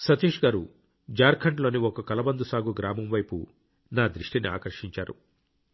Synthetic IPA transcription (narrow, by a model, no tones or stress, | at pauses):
sɐt̪iːʂɡaːɾu | d͡ʒaːɾkʰɐɳʈlo̞ːniɔkɐkɐlɐbɐnd̪usaːɡuɡɾaːmɐmʋɐjpṵ | naːd̪ɾiʂʈinia̰ːkɐɾʂiɲt͡ʃaːɾṵ